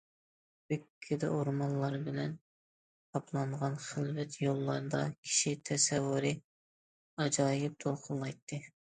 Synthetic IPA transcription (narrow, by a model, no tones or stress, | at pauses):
bykʲʰːɪd̪ɛ̰ʔoɾmɑnlˠɑɾbɪlɛnʰ | ɑpʰlˠɑɴʁɑnχɪlvɛt̪jolˠːɑɾd̪ɑkʲʰi̥ʃit̪ʰɛsɛvːuɾɨ | ɑd͡ʒɑːjɪp̚t̪ʰolˠqʰʊllˠɑjt̪ʰːɨ